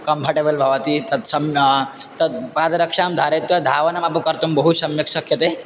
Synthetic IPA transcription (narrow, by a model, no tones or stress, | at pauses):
kɐmpʰɐʈebəlbʱɐʋɐt̪it̪ɐt̪sɐmt̪ɐt̪paːd̪ɾɐkʂaːmd̪ʱaːɾet̪ʋɐd̪ʱaːʋɐnamapukɐɾt̪umbɐɦusɐmjɐksɐkʰjɐt̪eː